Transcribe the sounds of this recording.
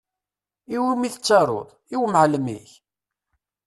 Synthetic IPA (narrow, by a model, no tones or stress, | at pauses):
iwimiθət͡sːɑɾˤo̰ðˤ | iwməʕləmḭç